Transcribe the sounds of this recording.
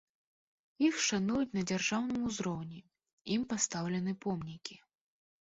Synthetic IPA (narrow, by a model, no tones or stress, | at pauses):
jixʂanujut͡sʲnɐd͡zʲarʐawnɨmuzɾɔwnʲi | impast̪awlʲɛn̪ɨpɔmnʲikʲi